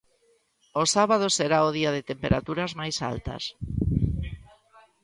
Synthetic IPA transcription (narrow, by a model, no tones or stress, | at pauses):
osaβað̞oseɾaʊðiað̞ɪt̪empeɾa̰t̪uɾazmajsa̰lt̪ɐ̰s